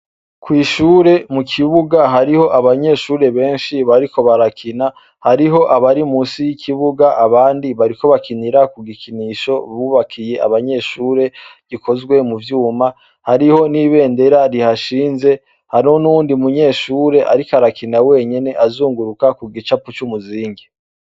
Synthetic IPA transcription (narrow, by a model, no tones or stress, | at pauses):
kwiːʃuːɾe̞mukʰiβuɡaɦaɾiho̞ʔaβaɲe̞ːʃuːɾe̞βe̞ːnʃiβaɾiko̞βaɾakʰina | haɾiɦo̞ʔaβaɾimusijikʰiβuɡaʔaβaːndiβaɾiko̞βakʰiniɾakuɡikʰiniʃo̞βuβakʰije̞a̰βaɲe̞ʃuːɾe̞ɡ̥ikʰo̞zɡwe̞muvjuːma | haɾiho̞niβe̞ːnde̞ɾaɾihaʃiːnze̞ | haɾonundimuɲe̞ːʃuːɾe̞ʔa̰ɾikaɾakinawe̞ːɲene̞ʔazuːŋɡuɾukakuɡit͡ʃaput͡ʃumuziːŋɡe